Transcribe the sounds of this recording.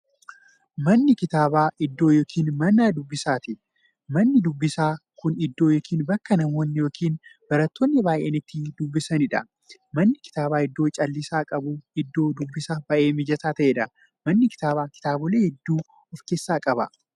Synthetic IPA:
mɐnːɪkɪt̪aːbaːʔɪd̪ːo̞ːjo̞ːkʰiːnmɐnːaːd̪ʊbːɪsaːt̪ɪ | mɐnːɪd̪ʊbːɪsaːkʊnɪd̪ːoːjoːkʰiːnbɐkːɐnɐmo̞ːnːɪjoːkʰiːnb̥ɐɾɐt̪ːoːnːɪbaːʔeːnɪt̪ːɪd̪ʊbːɪsɐnɪᶑɐ̰ | mɐnːɪkɪ̥t̪aːbaːɪd̪ːo̞ːt͡ʃʼɐlːɪsaːkʼɐbʊɪd̪ːo̞ːd̪ʊbːɪsaːbɐʔeːmɪd͡ʒɐsaːt̪ɐʔeːᶑɐ | mɐnːɪkɪ̥t̪aːβaːkɪ̥t̪aːbʊleːhɛd̪ːuː | ɔfke̞ːsːaːkʼɐbɐ̰

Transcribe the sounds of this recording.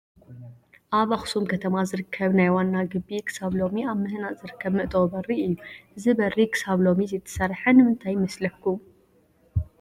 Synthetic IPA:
ʔaβaxsumkʰɐt̪ʰɐmazɨɾɨkʰːɐβnajwanːaɡɨbːikʰɨ̥saβlo̞miaβmɨhnaʔz̥ɨɾɨkʰːɐβmɨʔt̪ʼobɐriɨjːuʔɨzɨbɐrikʰɨ̥saβlo̞mizɐt̪ʰɐ̥sɐɾħɐnɨmɨnt̪ʰajmɐslɐkːum

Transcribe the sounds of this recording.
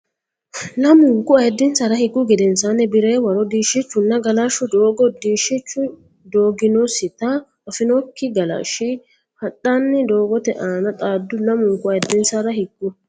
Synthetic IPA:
lɐmʊŋkʊɐjɛd̪ːɪnsɐɾɐhɪɡːʊɡɛd̪ɛnsanɛbɪɾeːwɐɾɔd̪iːʃɪt͡ʃːʊnːɐɡɐlaːʃʊd̪oːɡɔd̪iːʃɪt͡ʃːʊ | d̪oːɡɪnosɪt̪ɐ | ɐfɪnɔkːɪɡɐla̰ːʃɪ | hɐtʼːanːɪd̪o̞ːɡɔt̪ɛʔaːnɐt̪ʼaːd̪ːʊnɐmʊŋkʊɐjɛd̪ːɪnsɐɾɐhɪɡːʊ

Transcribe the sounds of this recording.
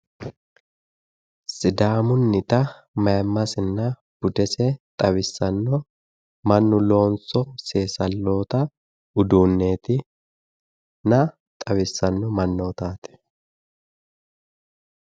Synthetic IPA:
sɪd̪aːmʊnːɪt̪ɐ | mɐjmːɐsɪnːɐ | b̥ʊd̪ɛsɛt̪ʼɐβɪsːɐnːɔ | mɐnːʊlo̞ːnsɔseːsɐlːo̞ːt̪ɐ | ʊd̪uːnːeːt̪ɪ | nɐ | t̪ʼɐbɪsːɐnːɔmɐnːoːt̪aːt̪ɛ̥

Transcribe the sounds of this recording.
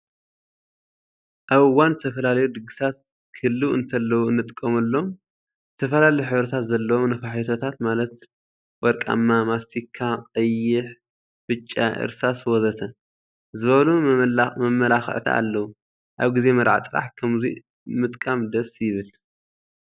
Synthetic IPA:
ʔaβɨwːanzɨt̪ʰɐfɐlalɐjud̪ɨɡɨsat̪̚ | kʰɨhlːuɨnt̪ʰɐlːɐwɨnːɨt̪ʼkʼːɐmɨlːo̞m | zɨt̪ʰɐfɐlalɐjuħɨβɾɐt̪ʰat̪zɐlːɐwo̞mnɐfaħt̪ʰot̪ʰat̪malɐt̪ | wɔɾkʼa̰mːamast̪ʰikʰːaqʼɐjːɪħ | fɨt͡ʃʼːa̰ʔɨ̰ɾsaswɔzɐt̪ʰɐ | zɨβɐβlumɐmɐlaxɨ̰ʕt̪ʰa̰a̰lːɐwu | ʔaβɡize̞mɐd̪ʕa̰t̪ʼɨɾa̰ħkʰɐmzḭ | mɨt̪ʼkʼamd̪ɐsjɪβɨl

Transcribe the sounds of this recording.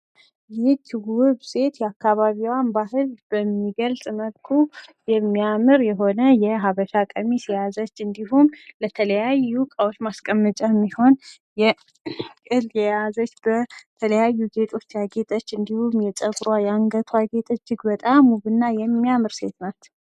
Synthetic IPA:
jɪt̪wwʊβse̞t̪jɛakːaβaβiwanbaɦɨlb̥əmːiɡəlsʼməlkʰujɛmːijamɨɾjɛɦo̞nəjɛɦaβəʃakʼəmisijazət͡ʃːɨnd̪iɦumlət̪ʰələjajukʼəwot͡ʃːmaskʼəmːət͡ʃʼamːiho̞n | jɛ | kʼɨljɛjazət͡ʃːbət̪ʰələjajːuze̞t̪ʰo̞t͡ʃːjaɡe̞t̪ʼət͡ʃːɨnd̪ihumjɛt͡ʃʼəɡɾwajaŋɡət̪ʰwaɡe̞t̪ʼət͡ʃːɨɡbət̪ʼamːuβɨnːajɛmːijamɨɾse̞t̪nat̪

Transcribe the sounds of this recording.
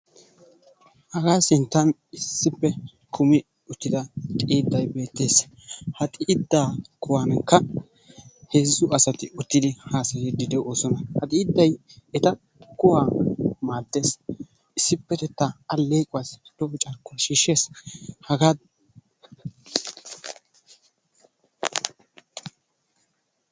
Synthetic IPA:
hɐɡaːsɪnt̪ːɐnɪsːɪpːɛ | kʰʊmɪ | ʊt̪ːɪd̪ɐt̪ʼiːd̪ːɐjbe̞ːt̪ːe̞ːs | hɐt̪ʼiːd̪ːaːkʊwankːɐ | heːzːʊɐsɐt̪ɪʊt̪ːɪd̪ɪhaːsɐjɛd̪ɪd̪ɛʔoːsɔnɐhɐt̪ʼiːd̪ːɐjɛt̪ɐ | kʊwaːmaːd̪ːe̞ːs | ʔɪsːɪpːɛt̪ɛt̪ːɐɐlːeːkʼʊwasd̪̥ɔʔɔt͡ʃʼɐɾkːʊɐʃiːʃːe̞ːshɐɡaː

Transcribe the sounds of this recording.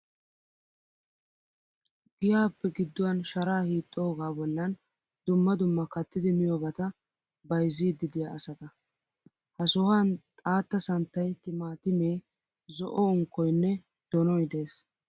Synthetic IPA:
ɡɪjaːpːɛɡɪd̪ːʊwɐnʃɐɾaːhiːt̪ʼːoːɡaːbɔlːɐn | d̪ʊmːɐd̪ʊmːɐkɐt̪ːɪd̪ɪmɪjobɐt̪ɐ | bɐjziːd̪ːɪd̪ɪjaɐsɐt̪ɐ | hɐsɔhɐnt̪ʼaːt̪ːɐsɐnt̪ːɐjt̪ɪmaːt̪ɪmeː | zɔʔɔʊŋkːɔjnːɛ | d̪̥ɔnɔɪd̪e̞ːs

